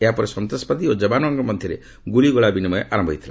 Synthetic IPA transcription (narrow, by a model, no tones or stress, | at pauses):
eɦapɔɾesɔnt̪ɾɔspɔd̪iod͡ʒɔbanɔɔŋkɔmɔd̪ʱjɔɾḛ | ɡuɭiɡɔɭabinimɔeʔaɾɔmbʱɔit̪ʰila